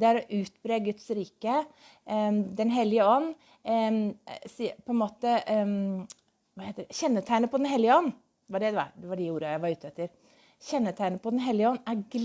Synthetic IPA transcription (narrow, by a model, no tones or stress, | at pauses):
d̪ɛæɾɔʔʉːt̪bɾeːəɡʉt̪sɾiːkə | d̪ɛnɦɛlːɪəɔnː | sipʰɔɛnmoːt̪ə | ʋɑheːt̪ːədɛɕɛnːət̪ʰæɪnəpʰɔd̪ɛnɦɛlːɪəɔnː | ʋɑɖɛd̪ɛɑ̰d̪ɛʋɑɖɛuːɾəjæɪʋɑɾʉːt̪ɛt̪ːəɾ | çɛnːət̪ʰæɪnəpʰɔd̪ɛnɦɛlːɪəɔnːæɾɡl